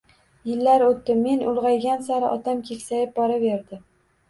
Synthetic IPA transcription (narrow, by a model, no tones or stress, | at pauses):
jɪlːaɾot̪ːɪmːe̞nʔʊlˠʁɑjɡʲansaɾɪʔɒt̪ʰamkʲʰekʲsajɪp̚bɒɾave̞ɾd̪ɪ